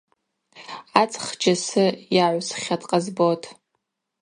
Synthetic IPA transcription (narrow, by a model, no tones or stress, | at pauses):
at͡sʼχd͡ʒasɨjaʕʷsχʲatʼqʼazbotʰʼ